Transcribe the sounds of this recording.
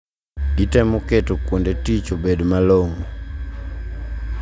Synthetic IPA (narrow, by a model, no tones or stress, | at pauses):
itɛmɔketokwondetit͡ʃobedmaloŋo